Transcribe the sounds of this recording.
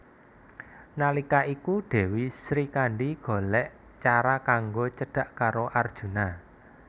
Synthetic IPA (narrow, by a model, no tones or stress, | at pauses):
nalikaʔikuɖ̥e̤wisɾikaɳɖiɡ̥o̤lɛʔ | t͡ʃaɾakaŋɡot͡ʃəɖ̥a̤ʔkaɾoʔard̥ʒ̥ṳna